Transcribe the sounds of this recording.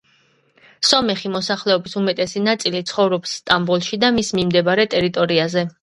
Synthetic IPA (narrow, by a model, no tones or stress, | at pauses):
sɔmɛχimɔsaχlɛɔbisumɛt̪ʼɛsinat̪sʼilit̪sʰχɔvɾɔpsːt̪ʼambulˠʃid̪amismimd̪ɛbaɾɛt̪ʼɛɾit̪ʼɔɾiazɛ